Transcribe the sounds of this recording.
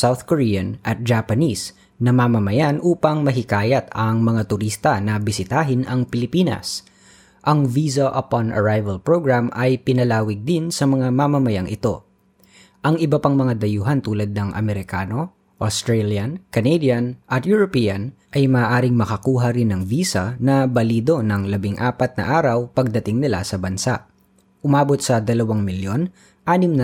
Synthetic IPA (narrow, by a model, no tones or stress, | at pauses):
sawθkoɹiːɐnʔɐt̪̚d͡ʒapɐnis | nɐmamɐmɐjanʔuːpɐŋmɐɦɪkaːjɐt̪ɐŋmɐŋat̪ʊɾist̪ɐnɐbɪsɪt̪aːɦɪnɐŋpɪlɪpiːnɐ̰s | ʔɐŋvizoʔɐpanɐ̰ɹajvɐlpɹoɡɹamʔɐjpɪnɐlaːwɪɡ̚d̪ɪnsɐmɐŋamamɐmɐjaŋʔɪt̪o̞ | ʔɐŋʔɪbɐpaŋmɐŋad̪ɐjuːɦɐnt̪uːlɐd̪̚nɐŋʔɐ̰mɛɾɪkaːno̞ | ʔost̪ɾɹɛljɐnkɐnɛd̪jɐnʔɐt̪jʊɹopiːjɐnʔɐjmɐːʔaːɾɪŋmɐkɐkuːɦɐɾɪnːɐŋviːsɐnɐbɐliːd̪o̞nɐŋlɐbɪŋʔaːpɐt̪̚nɐ̰ʔaːɾɐwpɐɡ̚d̪ɐt̪ɪŋnɪla̰sɐbɐnsaʔ | ʔʊmaːbot̪̚sɐd̪ɐlɐwaŋmɪljo̞n | ʔaːnɪmnɐ